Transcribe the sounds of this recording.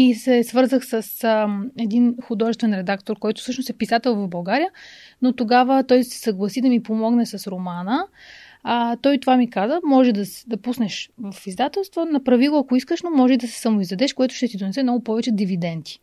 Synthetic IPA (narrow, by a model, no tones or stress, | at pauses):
isɛsvɤɾzəxsəsɛd̪inxʊd̪ɔʒɛst̪vɛnɾɛd̪akt̪oɾkɔjt̪ʊ̥fsɤʃnosɛpisat̪ɛlˠvɐvbɐlˠɡaɾijə | not̪oɡavət̪ɔjsɛ̥səɡlˠɐsid̪ɐmipomɔɡnɛsɐsɾomanə | t̪ɔjt̪ovamikazəmɔʒɛd̪ɐsd̪ɐpusnɛʃvɐfizd̪at̪ɛlˠst̪vonɐpɾɐvilˠoɐkoiskəʃnomɔʒɛd̪ɐsɛ̥sɐmʊizd̪ɐd̪ɛʃkoɛt̪ʊʃt̪ɛt̪id̪onɛsɛmnɔɡʊpɔvɛt͡ʃɛd̪ivid̪ɛnt̪i̥